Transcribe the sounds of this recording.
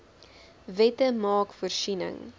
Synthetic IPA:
vɛtəmɑːkfursinə̰ŋ

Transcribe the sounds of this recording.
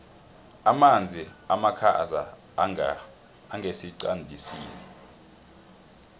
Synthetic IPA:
amand͡zʱiamakʰa̰za̰ | ŋɡʱesiǀandʱisiːni

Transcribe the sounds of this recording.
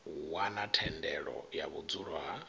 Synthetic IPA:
wanatʰɛndɛɺɔ̰jaβud͡zuɺwa

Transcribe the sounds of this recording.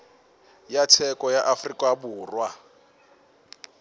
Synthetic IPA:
jatʰɛkʼɔjaʔafrikʼabuːrwa

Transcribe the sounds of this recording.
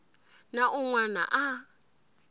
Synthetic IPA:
naʔʊŋwana̰ʔa

